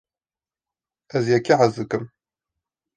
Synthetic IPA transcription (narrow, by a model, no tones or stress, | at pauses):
ʔæzjækːiʕazəkəm